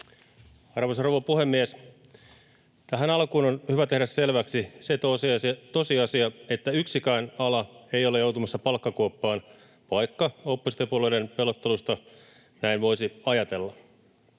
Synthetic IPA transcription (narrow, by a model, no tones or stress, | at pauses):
ɑrʋosɑroʋɑpuhe̞mːies | t̪æɦænɑlkuːnonhyʋæt̪e̞hɾæsse̞lʋæksiset̪osiɑst̪o̞siɑsiɑe̞t̪ːæyksikæːnɑlɑe̞jo̞lejowt̪umɑsːɑpɑlkːɑkuopːɑːn | ʋɑjkːɑopːosi̥t̪epuoleidenpe̞lot̪ːelust̪ɑ | næinʋo̞isiɑjɑt̪e̞lːɑ